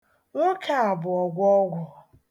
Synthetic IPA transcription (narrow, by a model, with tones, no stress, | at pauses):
ŋʷʊ˦ka˨a˨bʊ˨ɔ˨ɡʷɔ˦ɡʷʊ˨